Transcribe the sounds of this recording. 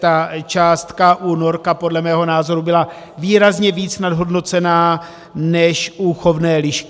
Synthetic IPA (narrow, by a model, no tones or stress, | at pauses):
t̪at͡ʃaːst̪kaʔuno̞ɾkapo̞dlɛmɛːɦo̞naːzo̞ɾubɪla | viːɾazɲɛviːt͡snadɦo̞dno̞t͡sɛnaː | nɛʃʔuxo̞vnɛːlɪʃkɪ